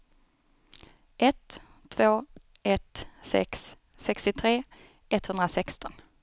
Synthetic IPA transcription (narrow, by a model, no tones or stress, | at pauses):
ʔɛt̪ʰː | voːɛt̪sɛ̰ks | sɛkst̪ɪt̪ʰɾeː | ɛt̪hɵnd̪ɾasɛkst̪ɔn